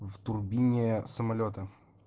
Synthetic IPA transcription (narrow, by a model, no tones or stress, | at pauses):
vt̪ʊrbʲinʲɪsəmɐlʲot̪ə